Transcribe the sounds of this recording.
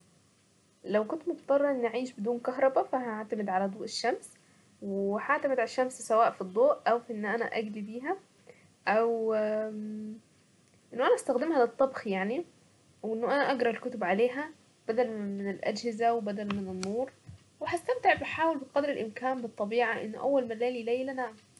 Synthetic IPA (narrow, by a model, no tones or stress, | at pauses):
læwkʊnt̪mot̪ˤːɑrˤːɑʔenːʔaʕiːʃbed̪uːnkɑɦɾˤɑbæfæhaʕt̪æmed̪ʕalæd̪ˤuːʔeʃːæms | wehaʕt̪æmɪd̪ʕaʃːæmssæwaːʔfid̪ˤːoːʔʔæwfʔenːʔænæ̰ʔæ̰ɡlibiːɦæ | ʔæw | ʔenːoʔænæʔæst̪æxd̪emhælet̪ˤːɑbxjaʕni | wʔenːoʔænæʔɑɡɾˤɑelkʊt̪obʕaleːɦæ | b̥æd̪ælmɪnelʔæ̰d͡ʒhɪzæwebæd̪ælmenenːuːɾˤ | wehæst̪æmt̪eʕbeħaːwelbeqɑd̪ɾelʔɪmkæːnbet̪ˤːɑbiːʕaʔḛnːʔæwːælmælːæːlilejlænaʕam